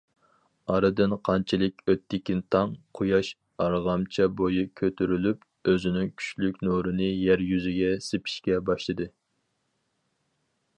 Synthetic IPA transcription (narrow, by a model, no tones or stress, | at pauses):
ɑɾɨd̪ɨnqʰɑnt͡ʃʰɪlˠɪkʲøt̪ʰːɪkʲint̪ʰɑŋqʰojɑʃ | ɑɾʁɑmt͡ʃʰɛbojikʲʰøt̪ʰyɾylyp | øzɪnɪŋkʲʰy̥t͡ʃlykʲnoɾɨnɨjæɾjyzɪɡʲɛsɪpʰi̥ʃkʲɛbɑʃlˠɨd̪ɨ